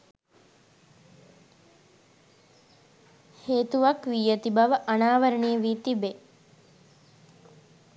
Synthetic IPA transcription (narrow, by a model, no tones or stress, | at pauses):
heːt̪uʋakʋijət̪ibɐʋəʔanaːʋəɾəɳijəʋiːt̪ibe